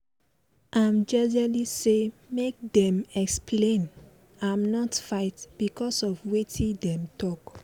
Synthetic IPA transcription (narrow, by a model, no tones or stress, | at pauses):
ʔãmd͡ʒɛd͡ʒalisemek̚dɛ̃mɛksplẽn | ãmnɔtfaɪtb̥ikɔsɔvwetʰĩdɛ̃mtɔk